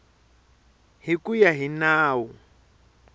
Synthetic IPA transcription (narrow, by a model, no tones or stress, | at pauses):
ɦikujaɦinaːwu